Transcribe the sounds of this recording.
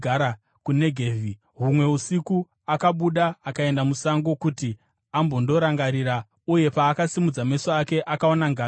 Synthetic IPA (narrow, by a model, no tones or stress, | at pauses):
aɾa | kune̞ɡʱeːvi | ɦumwe̞usiku | akaɓuɗaːkae̞ndamusaŋɡo̞kuti | ambo̞ndo̞ɾaŋɡaɾiɾa | uje̞paːkasimud͡zamesoake̞ʔakaonaŋɡaː